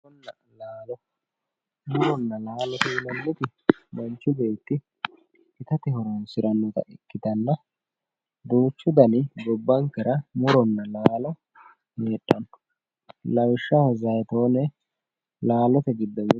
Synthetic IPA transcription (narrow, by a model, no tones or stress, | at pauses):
ɔnːɐ | laːlɔ | mʊɾɔnːɐlaːlɔt̪ɛlɐnːʊt̪ɪmɐnt͡ʃːʊbe̞ːt̪ːɪ | ɪt̪ɐt̪ɪhɔɾonsɪɾɐnːɔt̪ɐ̰ʔɪkːɪt̪ɐnːɐ | d̪uːt͡ʃːʊd̪ɐnɪɡɔbːɐŋkɐɾɐmʊɾɔnːɐlaːlɔ | meːᶑʼːɐn | lɐwɪʃːɐhɔzɐjt̪oːnɛ | laːlɔt̪ɛɡɪd̪ːɐwɪ